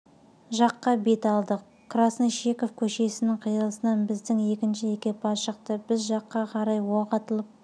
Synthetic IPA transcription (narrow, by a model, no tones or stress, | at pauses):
ʒɑqːɑbe̞t̪ɑlˠd̪əq̚ | kʰrasniʃe̞ko̞fkʲʰɵʃe̞sɪnɪŋqʰijəlˠəsənɑnbɪzd̪ɪŋe̞kʲɪnʃɪekʲepɑʃəqt̪əbɪzʒɑqːɑqʰɑɾɑjwoqɑt̪əlˠəp̚